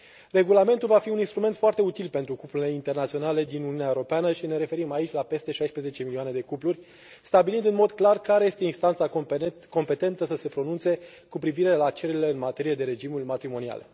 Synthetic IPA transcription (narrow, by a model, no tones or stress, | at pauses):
re̞ɡulame̞nt̪ulvafiuninst̪ɾumet̪foart̪e̞ut̪ilpe̞nt̪ɾukuplule̞int̪e̞rnat̪sio̞nale̞d̪inuniuneaewuɾo̞peanəʃine̞ɾe̞fe̞ɾimait͡ʃʲlape̞st̪e̞ʃajspɾezet͡ʃe̞milioane̞d̪e̞kuplurʲ | st̪abilind̪ɨnmo̞d̪klarkaɾe̞je̞st̪einst̪ant̪sako̞mpe̞t̪e̞nt̪əsəse̞pɾo̞nunt̪se̞ | kupɾiviɾe̞lat͡ʃe̞lɾile̞ɨnmat̪e̞ɾije̞d̪e̞ɾe̞d͡ʒimulʲmat̪ɾimo̞nia̰le̞̰